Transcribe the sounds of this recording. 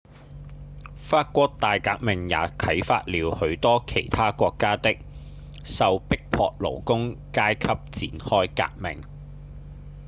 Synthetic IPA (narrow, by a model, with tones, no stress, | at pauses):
faː˧t̚kʷɔː˧˥k̚t̪aː˨jkaː˧k̚mɪ˨˩ŋja̰ː˨˥k̪ʰɐ˨˥jfa̰ː˧t̚liː˨˧whɵ˨˧˥ɥt̪ɔː˥kʰe˨˩jt̪ʰaː˥kʷɔː˧kːaː˥t̪ɪ˥k̚ | sɐ˨wpɪ˥k̚pʰɔː˧k̚lo̰˨˩wkʊ˥ŋkaː˥jkʰɐ˥p̚t͡siː˨˥nhɔː˥jka̰ː˧k̚mɪ̰˨˩ŋ